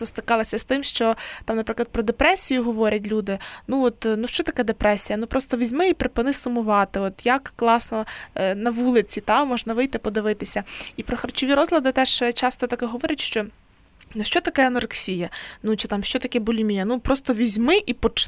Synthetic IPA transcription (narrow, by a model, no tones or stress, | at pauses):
t̪ɔst̪ɾɪkɑlˠɐsʲɐst̪ɪmʃt͡ʃɔt̪ɑmnɐpɾɪklˠɐd̪pɾɔd̪epɾɛsʲijʊɦɔʋɔɾʲɐtʲlʲud̪ɪnuɔt̪nuʃt͡ʃɔt̪ɐkɛd̪epɾɛsʲijɐnupɾɔst̪ɔʋʲizʲmɪipɾepɪnɪsʊmʊʋɑt̪ɪɔt̪jɐkːlˠɑsnɔnɐʋulˠɪt͡sʲit̪ɑmɔʒnɐʋɪjt̪ɪpɔd̪ɪʋɪt̪ɪsʲɐipɾɔxɐrt͡ʃɔʋʲiɾɔzlʲɐd̪ɪt̪ɛʒ̥t͡ʃɑst̪ɔt̪ɐkɛɦɔʋɔɾʲɐtʲʃt͡ʃɔ | nuʃt͡ʃɔt̪ɐkɛɐnɔrksʲijɐnut͡ʃɪt̪ɑmʃt͡ʃɔt̪ɐkʲɛbʊlʲimʲijɐnupɾɔst̪ɔʋʲizʲmɪʔipɔt͡ʃ